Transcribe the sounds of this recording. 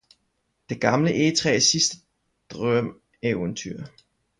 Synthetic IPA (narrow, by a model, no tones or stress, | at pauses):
d̥e̝ɡ̥ɑ̈mləʔe̝t͡sʰʁɛ̰ːsisd̥ə | d̥ʁœm̰ | eʊənt͡sʰy̰ɐ̰